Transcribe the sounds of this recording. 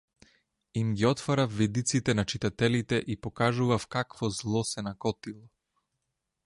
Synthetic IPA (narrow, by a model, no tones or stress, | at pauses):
imɡiɔt̪faɾafvid̪it̪sit̪ɛnat͡ʃit̪at̪ɛlit̪ɛʔipɔkaʒuvafkakvɔzlˠɔsɛnakɔt̪ilˠɔ